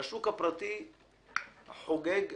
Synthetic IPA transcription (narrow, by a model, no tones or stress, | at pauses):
aʃukapɾˤɑt̪i | ħoɡɛːɡ